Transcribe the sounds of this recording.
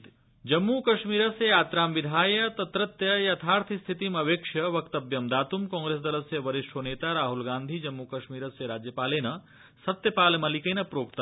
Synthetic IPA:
d͡ʒɐmːukɐʃmiːɾɐsejaːt̪ɾaːmʋid̪ʱaːjɐt̪ɐt̪ɾɐt̪jɐjɐt̪ʰaːɾt̪ʰist̪ʰit̪imɐʋeːkʂjɐʋɐkt̪ɐbjɐmd̪aːt̪umkɔ̃ːŋɡɾeːsd̪ɐlɐsjɐʋɐɾiʂʈʰoneːt̪aɾaːɦulɡaːnd̪ʱid͡ʒɐmːukɐʃmiːɾɐsjɐɾaːd͡ʒjɐpaːleːnɐ | sɐt̪jɐpaːlmɐlikenɐpɾoːkt̪ɐ

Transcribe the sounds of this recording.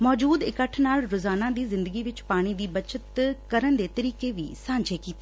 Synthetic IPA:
mɔːd͡ʒuːd̪ɪkəʈʰnaːlɾozaːnãd̪iːzɪ̃nd̪əɡiʋɪt͡ʃpaːɽ̃id̪iːbɐt͡ʃət̪kəɾənd̪eːt̪əɾiːkeʋḭːsãːɲd͡ʒekiːt̪eː

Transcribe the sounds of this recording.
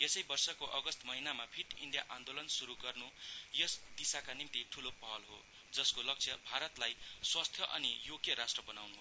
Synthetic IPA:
esʌjbʌrsʌkoʔʌɡʌst̪mʌɦinamabʰʱiʈḭɳɖja̰ʔand̪olʌnsuɾuɡʌrnujʌsd̪isakanimt̪iʈʰulopʌɦʌlɦo̰ | d͡zʌskolʌk̚t͡sʰʌbʱaɾʌt̪lajswast̪ʰjʌʔʌ̰nijoɡjʌɾasʈrʌbʌnawnuɦ

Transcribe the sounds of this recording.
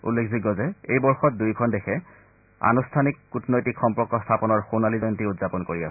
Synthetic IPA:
ṵlːekʰziɡɔzɛejbɔɹxɔt̚dujkʰɔndexʰɛ | a̰nustʰanikːutnojtikxɔmpɹɔkɔstʰapɔnɔɹxonalizɔjntiutzapɔnkoɹiasɛ

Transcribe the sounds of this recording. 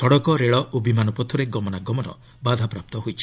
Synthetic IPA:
tʰɔɽɔkɔɾeɭɔobimanɔpɔt̪ʰɔɾeɡɔmɔnaɡɔmɔnɔ̰ | bad̪ʱapɾap̚t̪ɔɦojt͡ʃʰi̥

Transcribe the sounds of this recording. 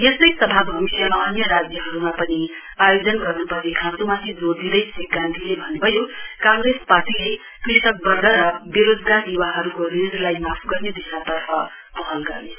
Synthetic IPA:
jest̪ʌjsʌbʱabɦʌmijamaʌnjʌɾad͡zjʌɦʌɾumapʌni | ajod͡zʌnɡʌrnupʌɾnekʰãnt̪umat̪ʰid͡zoɾd̪id̪ʌjsʰiɡant̪ʰilebʱʌnebʱʌjokãŋɡɾesparʈile | krisʈʌk̚bʌrd̪aɾʌbeɾod͡zɡard̪iwaɦʌɾukoɾinɾlajmapʰɡʌrned̪isat̪ʌrpʰʌ | pʌɦʌlɡʌrne

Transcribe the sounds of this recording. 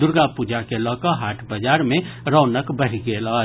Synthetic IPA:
d̪ʊɾɡapud͡ʒakelɔːkəɦaːʈʰbəd͡ʒaːɾmẽɾɔːnəkbəɦiɡeːlɔ

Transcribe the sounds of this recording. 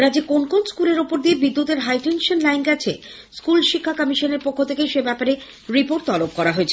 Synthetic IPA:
ɾad͡ʑikonkonskuleɾopoɾd̪iebid̪ːut̪eɾɦajʈenʃonlajnɡɛt͡ɕʰe | skulʃikʰːakʌmiʃoneɾpokʰːot̪ʰekeʃebɛpaɾe | ɾipoɾʈ̚t̪ɔlop̚kɔɾaɦoet͡ɕʰe

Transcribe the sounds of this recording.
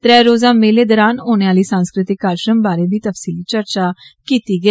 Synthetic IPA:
t̪ɾɛːɾoːzãːmeːleːd̪əɾaːnoːneːaːliːsãːnskɾɪt̪ɪkːaːɾʃɾəmbaːɾeːb̪iːt̪əfsiːliːt͡ʃəɾt͡ʃaːkiːt̪iːɡəiː

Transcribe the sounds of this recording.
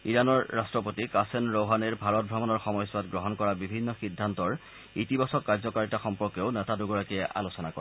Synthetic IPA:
iɹanɔɹːastɹɔpotikasenɹowɦaneɹbʱaɹɔt̚bʱamɔnɔɹxɔmɔjswatɡɹɔɦɔnkɔɹabibʱinːɔxidʱːantɔɹ | itibasɔkːaɹzɔkaɹitaxɔmpɔɹkeʊnɛtaduɡɔɹakiɛʔa̰losɔnakɔɛ

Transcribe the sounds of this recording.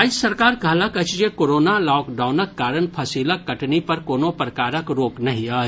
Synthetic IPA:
aisɐɾkaːɾɡʱɐləkɐt͡ʃd͡ʒekoːɾoːnalɔːkɖaːʊnəkːaːɾənpʰɐsiːlakːɐʈnipɐɾkoːnopɾəkaːɾəkɾoːknɐɦĩaː

